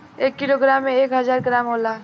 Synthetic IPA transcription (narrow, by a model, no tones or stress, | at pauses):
eːkːiloɡɾaːmːẽeːkɦəzaːɾɡɾaːmɦolaː